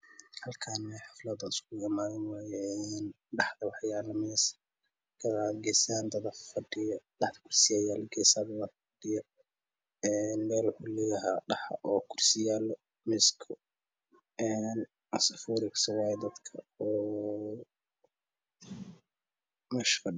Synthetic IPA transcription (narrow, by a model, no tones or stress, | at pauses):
hɐlkʰaːnmɛħɑflɐd̪ɐɪskʰʊjɐmaːðɐnwaːjɛn | ɖɑħd̪ɐwɑħjaːlɐmɛs | ɡʰɐðaːd̪ɡɛsaːnd̪ɐd̪ɐfɐɖɪjɐdɑħd̪ɐ̥kʰʊrsɪjaːjaːlɐɡɛsaːðɐwɐfɐɖɪjɐ | ɛːnmɛːlwʊħulɛːjɐɦa̰ːɖɑħɐ̰ʔɔːkʰʊrsɪjaːlɔ | mɪskʰɔ | ʔɛːn | ʔɐsɐfuːɾɪksɐwaːjɛd̪ɐd̪kʰɐɔː | mɛʃfɐɖɪ